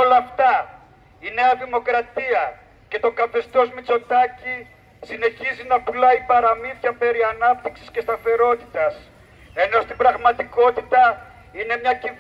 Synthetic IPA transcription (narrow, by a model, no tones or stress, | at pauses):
olɐːft̪ɐ | ineɐðimo̞kɾɐt̪iɐ | ce̞t̪o̞kɐfe̞st̪o̞zmit͡so̞t̪ɐci | sine̞çizinɐpulɐipɐɾɐmiθjɐpe̞ɾiɐnɐp̚t̪iksi̥sce̞st̪ɐθe̞ɾo̞t̪i̥t̪ɐs | e̞no̞st̪ibɾɐɣmɐt̪iko̞t̪it̪ɐ | ine̞mɲɐci